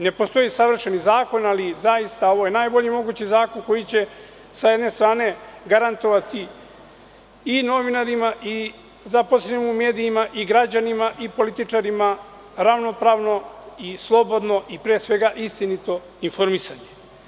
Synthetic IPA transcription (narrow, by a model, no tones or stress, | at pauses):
ne̞po̞st̪o̞jisaʋr̩ʃenizaːko̞nalizajist̪ao̞ʋo̞jenaːjbo̞ʎimo̞ɡut͡ɕizaːko̞nko̞jit͡ɕe̞ | sajed̪ne̞st̪ɾaːne̞ɡaɾant̪o̞ʋat̪i | ino̞ʋinaɾimaʔi | zaposeimume̞ːd̪iːmaʔiɡɾad͡ʑanimaʔipo̞lit̪it͡ʃaɾima | ɾaʋno̞pɾaːʋno̞islˠo̞bo̞d̪no̞ʔipɾeːsʋe̞ɡaʔist̪init̪o̞ | info̞ɾmisaɲe̞̥